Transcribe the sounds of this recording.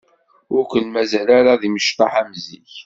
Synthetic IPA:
ʊɾkʷəlmæzælaɾaðiməʃt̪ɑħæmzḭç

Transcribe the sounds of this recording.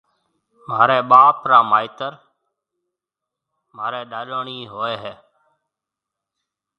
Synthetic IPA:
maːɾeːɓaːpɾaːmaːit̪əɾ | maːɾeːɗaːloːɳiːɦoːeːɦeː

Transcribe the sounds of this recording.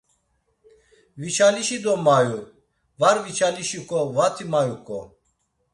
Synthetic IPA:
vit͡ʃʰaliʃid̪ɔmaju | vaɾvit͡ʃʰaliʃikʰʼɔvat̪ʰimajukʰʼɔ̰

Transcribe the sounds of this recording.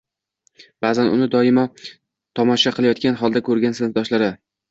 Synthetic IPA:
b̥aːzanʊ̰nɪd̪ɒɪmɒ | t̪ʰɒmɒʃaqʰɨlˠajɒt̪̚kʲanɦɒlˠd̪akʰɵɾɡʲansɪnd̪ɒʃlaɾɪ

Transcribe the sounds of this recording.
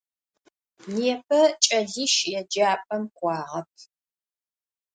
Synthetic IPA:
neːpʰɐt͡ʃʼɐɮiːʃjɛd͡ʒaːpʼɐmqʷɑːʁɐp̚ʰ

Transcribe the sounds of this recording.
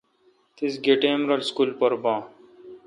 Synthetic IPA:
t̪ʰisɡeʈeːmɾəlskuːlpəɾbãː

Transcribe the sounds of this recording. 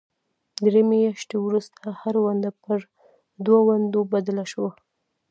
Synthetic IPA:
d̪ɾemejaʃt̪ewɾust̪ʰahaɾwand̪apəɾ | d̪wawand̪obad̪alaʃwa

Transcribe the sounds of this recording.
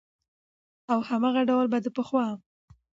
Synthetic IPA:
awhamaɣaɖawlbad̪əpəxwɑm

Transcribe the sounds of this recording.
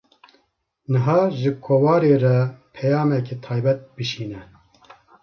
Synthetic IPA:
nɨɦɑːʒɨkʰoːwɑːɾeːrɛpʰɛjɑːmɛket̪ʰɑːjbɛt̪̚bɨʃiːnɛ

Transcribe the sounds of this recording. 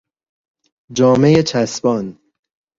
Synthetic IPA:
d͡ʒɒːme̞jet͡ʃʰæsbɒːn

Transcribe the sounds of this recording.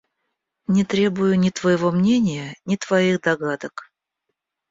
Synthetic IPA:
nʲɪt̪ɾʲe̞bʊjʊnʲɪt̪vəjɪvo̞mnʲenʲɪjənʲɪt̪vɐixd̪ɐɡad̪ək

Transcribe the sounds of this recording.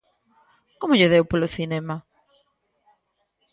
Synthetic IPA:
komʊʎeðewpoloθinɛma

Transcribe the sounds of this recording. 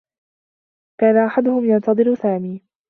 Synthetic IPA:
kaːnaʔaħad̪ʊhʊmjɑnt̪ɑðˤɨɾsaːmiː

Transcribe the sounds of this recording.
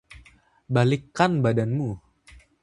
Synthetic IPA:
balikːanbadanmu

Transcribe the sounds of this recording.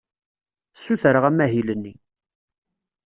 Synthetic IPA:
sːuθəɾəʁæmːæɦilənːi

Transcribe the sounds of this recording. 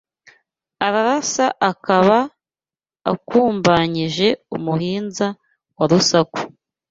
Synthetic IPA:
aɾaɾasaʔakaβa̰ː | kuːmbaɲiʒe̞ṵmuɦiːnza | waɾusaku̥

